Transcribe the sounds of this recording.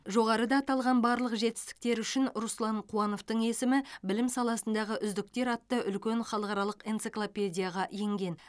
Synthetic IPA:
ʒo̞ʁɑɾəd̪ɑːt̪ɑlˠʁɑnbɑɾlˠəqʒe̞t̪ɪ̥st̪ɪ̥k̚t̪e̞ɾʏʃɪnɾuslˠɑɴqʰuɑno̞ft̪əɴe̞sɪmɪbɪlɪmsɑlˠɑsənd̪ɑʁəʔʏzd̪ɪk̚t̪e̞ɾɑt̪ːəʔʏlkʲe̞ɴχɑlˠəqɑɾɑlˠəqent̪siklˠopʲe̞dʲijaʁɑje̞ŋɡʲe̞n

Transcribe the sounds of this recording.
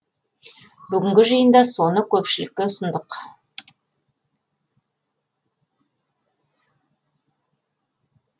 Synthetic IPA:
bʏɡʲɪŋɡʲɪʒijənd̪ɑso̞nəkʲʰɵpʃɪlɪk̚ːʲeʊsənd̪əq

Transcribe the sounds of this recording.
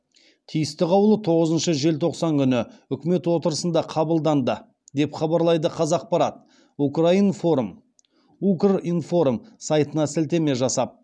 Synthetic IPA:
t̪ʰijɪst̪ɪqɑwlˠət̪ʰo̞ʁəzənʃəʒe̞lt̪ʰo̞qsɑŋkʲʰʏnɪʏkʲme̞t̪wo̞t̪əɾəsənd̪ɑqʰɑbəlˠd̪ɑnd̪ə | d̪e̞pχɑbɑɾlˠɑjd̪əqʰɑzɑq̚pɑɾɑt̪̚ | ukrainfoɾm | ukrinfo̞ɾumsɑjt̪ənɑsɪlt̪e̞me̞ʒɑsɑp̚

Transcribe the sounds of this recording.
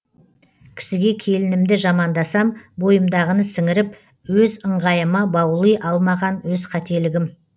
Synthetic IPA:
kʲʰɪ̥sɪɡʲe̞kʲʰe̞lɪnɪmd̪ɪʒɑmɑnd̪ɑsɑmbo̞jəmd̪ɑʁənəsɪŋɪɾɪp | wɵzəɴʁɑjəmɑbɑwlˠəjʔɑlˠmɑʁɑnwɵzqʰɑt̪e̞lɪɡʲɪm

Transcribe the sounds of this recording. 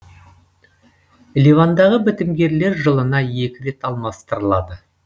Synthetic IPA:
livand̪ɑʁəbɪt̪ɪmɡʲe̞ɾle̞ɾʒəlˠənɑje̞kʲɪɾe̞t̪ɑlˠmɑst̪əɾəlˠɑd̪ə

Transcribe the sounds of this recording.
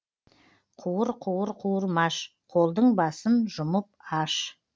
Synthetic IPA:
qʰuwəɾqʰuwəɾqʰuwəɾmɑʃ | qʰo̞lˠd̪əɴbɑsənʒʊməp̚ɑʃ

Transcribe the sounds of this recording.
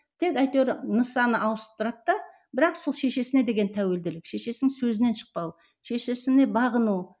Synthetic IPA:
t̪ʰe̞kɑjt̪eɾnəsɑnəʔɑlˠəsə̥p̚t̪ʰʊɾɑt̪ːɑ | bɪɾɑqso̞lˠʃe̞ʃe̞sɪne̞d̪e̞ɡʲe̞nt̪ʰæwe̞ld̪ɪlɪkʃe̞ʃe̞sɪŋsɵzɪne̞nʃə̥q̚pɑw | ʃe̞ʃe̞sɪne̞bɑʁənu

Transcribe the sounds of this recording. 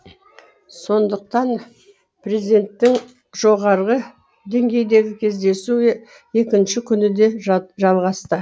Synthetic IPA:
so̞nd̪əq̚t̪ɑn | prezʲid̪e̞nt̪ːɪŋ | ʒo̞ʁɑɾʁə | d̪e̞ŋɡʲe̞jd̪e̞ɡʲɪkʲʰe̞zd̪e̞su | e̞kʲɪnʃɪkʲʰʏnɪd̪e̞ʒɑlˠʁɑst̪ə

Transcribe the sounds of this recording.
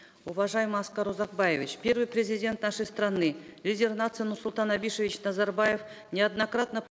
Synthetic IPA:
uvaʐajɪməɑskɑɾozɑq̚bɑjevʲit͡ʃpʲe̞rvɨjprʲezʲidʲe̞nt̪naʂəjst̪ranɨlʲidʲe̞rnat̪sɨjənʊrsʊlˠt̪ɑnabʲiʂevʲit͡ɕnɑzɑrbajefnʲead̪nakrat̪nə

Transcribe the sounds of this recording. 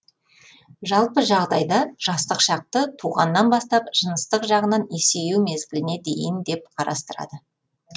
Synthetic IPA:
ʒɑlˠpəʒɑʁd̪ɑjd̪ɑʒ̥ɑst̪əqʃɑq̚t̪ət̪ʰuʁɑnːɑnbɑst̪ɑpʒ̥ənəst̪əqʒɑʁənɑnesejumezɡʲɪlɪne̞d̪e̞̰jɪnd̪e̞p̚qʰɑɾɑ̰st̪əɾɑ̰d̪ə

